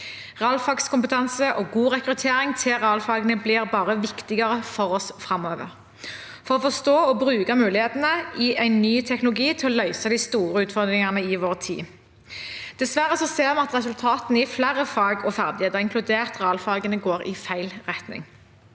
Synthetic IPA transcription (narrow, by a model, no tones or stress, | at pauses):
ʁɛɑlfɑːɡskʰʊmpət̪ʰɑnsəʔɔɡuːʁɛkʁʉt̪ʰeːʁɪŋt̪ʰɪʁɛɑlfɑːɡənəblɪʁbɑːʁəʋɪkt̪ɪɡɑʁəfɔʁɔsfʁɑmøːʋə̰ʁ | fɔʁɔfɔʁst̪oːɔbʁʉːkɑmʉːlɪheːt̪ənəɪʔæɪnːyːt̪ʰɛknʊlʊɡiːt̪ʰɪlɔlœʏsɑd̪æɪst̪uːʁəʉːt̪fɔʁd̪ɾʁɪŋɑnəɪʋoːʁt̪ʰḭː | d̪̥ɛsʋæʁəsɔseːʁmɑɑt̪ʁɛsʉlt̪ʰɑːt̪nəɪflæʁəfɑːɡɔfæʁd̪ɪheːt̪əɪŋkʰlʉd̪eːʁt̪ʁɛɑlfɑːɡənəɡoːʁɪ̰fæɪlʁɛt̪nɪ̰ŋ